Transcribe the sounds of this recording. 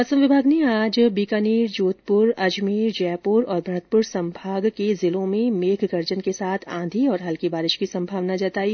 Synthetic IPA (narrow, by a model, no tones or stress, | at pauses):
ɐsəmʋɪbʱaːɡneaːd͡ʒbiːkaniːɾd͡ʒoːt̪pʊɾɐd͡ʒmiːɾd͡ʒɛːpʊɾɔːɾbʱɾɐət̪̚pʊɾsɐ̃mbʱaːɡkezɪlõmẽmeːkʰɡɐɾd͡ʒənkesaːt̪ʰã̰ːd̪ʱiɔːɾɦɐlkibaːɾɪʃkisɐ̃mbʱaːʋnad͡ʒaːt̪aːiː